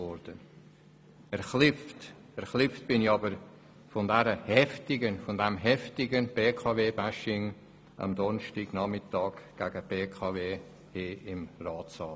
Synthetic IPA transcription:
ɔɾd̥ən | ɛɾχlɪft | ɛɾχlɪft̚b̥ɪnɪçɑbəɾ | fɔndɛɾəhɛftɪɡənfɔndɛmɦɛftɪɡənb̥eːkʰɑːveːbæʃɪŋ | ʔɑ̰md̪ɔnʃtiɡ̥nɑmɪtɑːkɡ̥æɡ̥əb̥eːkʰɑːveː | heːɪmrɑːtt͡sɑːl

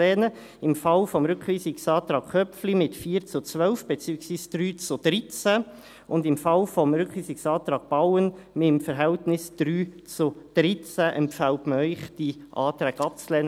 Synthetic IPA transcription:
ɛnə | ɪmfɑlfɔmɾʏkχʋiːsɪksɑːtɾɑːkkʰœpflimɪtfiːɾt͡sʊt͡sʋœlfb̥ɛt͡syːəksʋiːsd̥ɾyːt͡sʊd̥ɾɪt͡sæ | ʊndɪmfɑlfɔmɾʏkχʋiːsɪksɑːtɾɑːk̚b̥awənmɪmfəɾɦɛltnɪsd̥ɾyːt͡sʊd̥ɾɪt͡sæʔɛmpfæltməœʏχd̥iʔɑ̰ːtɾɛːɡɑp̚t͡slɛːn

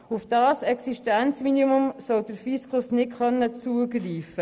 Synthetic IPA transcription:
ʊfd̥ɑːsɛksiʃtant͡sminimʊmsɔwd̥əɾfiskʊsnɪkχœnːət͡suəɡriːfə

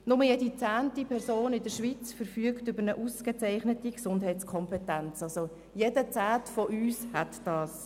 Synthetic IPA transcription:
nʊməjedit͡sæːntipʰɛɾsoːnɪdəɾʃʋit͡sfəɾfyəktʏbəɾnəʔuskət͡sɛɪχnətiksʊndɦɛɪtskʰɔmpɛtænt͡sɑso | jedət͡sæːtfɔʔyːshæt̪d̥ɑːs

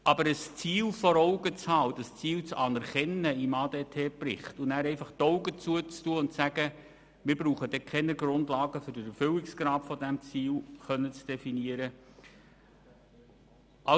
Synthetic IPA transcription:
ʔɑbəɾəst͡siːlfɔɾɔʊɡət͡shɑːʊdɑst͡siːlt͡sɑnɛɾkɛnəimɑːdɛtʰɛːpɾɪχtʊnæːɾɛɪfɑχt̪ɔʊɡət͡suət͡stuəʊntt͡sæɡ̥ə | mɪɾb̥ɾuːχədɛkʰɛnəɡɾʊndlɑːɡəfʏɾdəɾɛfʏlɪksɡ̥ɾɑːtfɔdæmt͡siːlχœnːət͡sd̥ɛfiniəɾə | ʔɑ

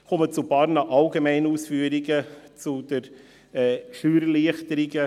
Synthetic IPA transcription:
kɔmət͡supɑːɾnɑʔɑlɡemɛɪnəuːsfyːəɾɪɡət͡sud̥əɾ | ɛːʃyːɾəliəχtəɾɪɡə

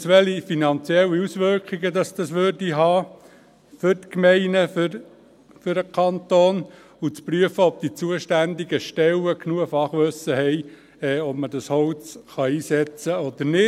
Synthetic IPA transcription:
sʋɛlifinɑnt͡siɛlːiusʋøɾkχiɡəd̪ɑsd̥ɑsʋørdiɦɑː | fʏɾt̪kmɛɪnəf | fʏɾəkʰɑnt̪oːn | ut͡spryəfəɔb̚t̪it͡suəʃtænd̪iɡəʃtɛlːəkʰnuəfɑχʋɵsəɦɛɪ | ɛːɔb̥mədɑshɔwt͡sχɑiːsɛt͡səɔd̪əɾnɪ

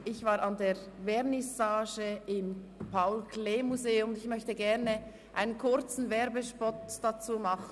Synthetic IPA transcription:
ɪçv̥aːɾɑndeː | vɛɾnɪsaːʒəɪmpʰaʊlkʰleːmuzeːʊmʊnɪçmœçtəɡɛɾnə | ʔaɪnənkʰʊɾt͡sn̩vɛɾbəʃpɔtd̥at͡suːmɑχ

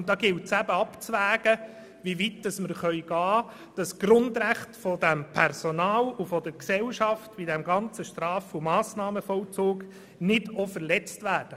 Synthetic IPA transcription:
ʊndɑːɡɪltsæbəɑpt͡sʋæːɡ̥ə | ʋiʋitdɑsməɾχœʏɡ̥ɑː | d̥ɑsɡ̥ɾʊndɾæχtfɔdæmpʰɛrsɔnɑːlufɔd̥əɾksɛlʃɑftbidæmɡɑnt͡səʃtɾɑːfʊmɑːsnɑːməfɔlt͡suːɡ | nɪdofəɾlɛt͡stvæːrd̥ə

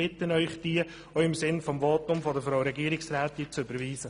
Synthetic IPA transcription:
ɪt̪ənœʏχd̥iə | oɪmsɪnfɔmʋoːtʊmfɔdəfɾaʊɾɛɡiːəɾɪksɾæːt̪ɪnt͡sʏbəɾʋiːsə

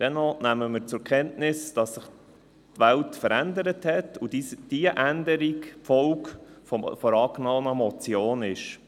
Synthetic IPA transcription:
d̥ɛnɔnæməmɪɾt͡sʊkʰɛntnɪsd̥ɑsːɪχ | tʋæltfəɾændəɾəthɛtudid̥iəʔændəɾikfɔlkfɔ̰fɔɾɑːknɔːnəmɔt͡sjoːnɪʃ

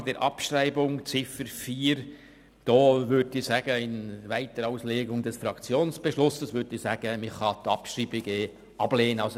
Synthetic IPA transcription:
d̥ɛɾʔɑpʃɾæɪbʊŋt͡sɪfəɾfiːɾ | d̥ɔːʋʏdɪsæːɡ̥əɪnʋæɪt̪əɾaʊsleːɡʊŋdɛsfɾɑkt͡sjoːnsb̥ɛʃlʊsəsʋʏdɪsæːɡ̥əmɪχɑt̪ɑpʃriːbɪɡ̥e | ɑb̥leːnəɑs

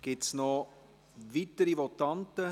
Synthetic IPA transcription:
ɡ̥ɪtsnɔ | vitəɾivɔtɑntə

